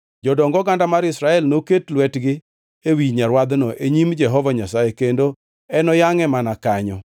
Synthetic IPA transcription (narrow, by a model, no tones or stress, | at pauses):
d͡ʒɔdɔŋɡɔɡandamaɾɪsɾaɛlnoketlwɛtɡɪ | ewiɲaɾwad̪nɔʔeɲimd͡ʒɛɦɔvaɲasajekendo | ɛnɔjaŋɛmanakaɲɔ